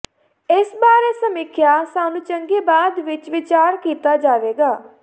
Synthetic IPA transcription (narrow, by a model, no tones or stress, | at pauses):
ɪsbaːɾeːsəmɪkʰjaːsaːnũːt͡ʃəŋɡeːbaːd̪ʋɪt͡ʃʋɪt͡ʃaːɾkiːt̪aːd͡ʒaːʋeːɡaː